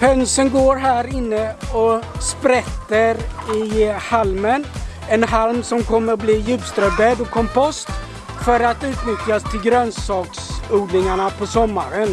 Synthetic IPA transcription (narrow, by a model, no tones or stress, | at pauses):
pʰɛnsənɡoːɾɦæːɾɪnːəɔspɾɛt̪ːəɾɪhalmən | ɛnɦalmsɔmkʰɔmːəɾbliːjʉ̟ːpst̪ɾœb̪ɛd̪ɔkʰːɔmpɔst̪ | fœɾat̪ʉ̟ːt̪nʏt̪jast̪ʰɪlɡɾœnsɑːksuːd̪nɪŋaɳapʰɔsɔmːaɾən